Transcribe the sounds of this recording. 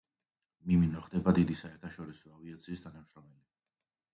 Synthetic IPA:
miminɔχd̪ɛbad̪id̪isaɛɾt̪ʰaʃɔɾisɔaviat̪sʰiːst̪ʰanamʃɾɔmɛli

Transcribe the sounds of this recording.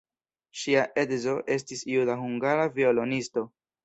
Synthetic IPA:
ʃiaʔe̞dzo̞ʔe̞stisiudaɦuŋɡaɾavio̞lo̞nisto̞

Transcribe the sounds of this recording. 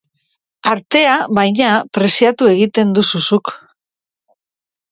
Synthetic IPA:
aɾt̪e̞aβajɲapɾe̞siat̪ue̞ɣit̪e̞nd̪ususuk

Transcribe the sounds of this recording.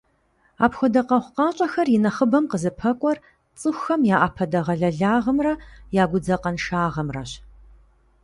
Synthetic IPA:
a̰ːpxʷɔdɐqɐχʷqɑːɕʼɐxɐrjɪnɐχəbɐmqəzɨpʰɐkʷʼɔr | t͡sʼɨxʷxɐmjaːʔaːpʰɐdɐʁɐɮɐɮaːʁɐmrɐjaːɡʷʊd͡zɐqɐnʃaːʁɐmrɐ̰ɕ

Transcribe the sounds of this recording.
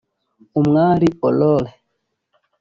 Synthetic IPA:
umŋaːɾiɔlɔlɛ

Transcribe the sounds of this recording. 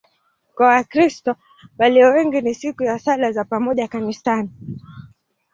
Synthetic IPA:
m̩kɔwakɾistɔ | ɓaliɔwɛŋɡinisikujasalazapamɔʄakanistani

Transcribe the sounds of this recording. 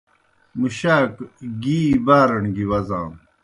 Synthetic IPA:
muɕaːkɡiːbaːɾɐɳɡiwɐzãːm

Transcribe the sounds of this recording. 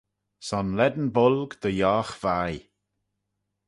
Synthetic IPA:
sɔnlɛd̪n̩bʊlɡd̪̥əjɔːxv̥aj

